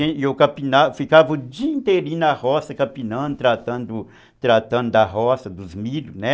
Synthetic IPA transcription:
ẽewkɐpinafikavʊd͡ʒiĩnt̪eɾĩnɐhɔsɐkɐpinɐ̃nd̪ʊt̪ɾat̪ɐ̃nd̪ʊ | t̪ɾat̪ɐ̃d̪ʊd̪ɐɦɔsɐd̪ʊzmilʊnɛ

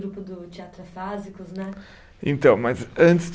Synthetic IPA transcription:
ɾupʊd̪ʊt͡ʃ̪iat̪ɾɐfazikʊznɛ | ḛ̃nt̪ɐ̃w̃mɐzɐ̃nt̪z

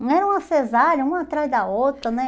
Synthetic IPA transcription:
ñɛɾɐũmɐsezaʎɐũmɐːt̪ɾazd̪ɐowt̪ɾɐnɛ̃

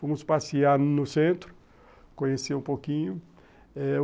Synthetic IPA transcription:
fõmʊspasiaɾnʊsẽnt̪ɾʊ | kõɲeseũpokĩɲʊ | ɛ

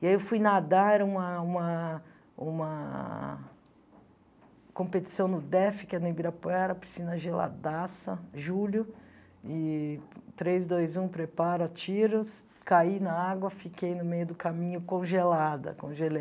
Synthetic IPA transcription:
iaiewfujnad̪aɛɾɐũmɐũmɐ | ũmɐ | kõpet͡ʃi̥sɐ̃w̃nʊd̪ɛfɪ̥kɪɐnebiɾɐpoɛɾɐpɾi̥sinɐʒela̰d̪asɐʒulʊ | ɪ | t̪ɾejzd̪ojzũpɾepaɾɐt͡ʃiɾʊs | kainɐaɡwɐfikejnʊmejʊd̪ʊkamĩɲʊkõʒelad̪ɐ̰kõ̰ʒelej

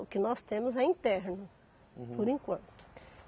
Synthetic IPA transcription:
ʊkɪnɔst̪ẽmʊzɐĩnt̪ɛɾnʊ | pʊɾĩkwɐ̃nt̪ʊ̥

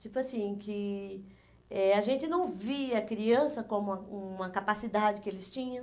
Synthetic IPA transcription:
t͡ʃipʊasĩkɪ | ɛaʒẽnt͡ʃɪnɐ̃w̃viɐkɾiɐ̃sɐkõmʊɐũmɐkapasid̪ad͡ʒɪkɪelɪst͡ʃĩɲɐ̃

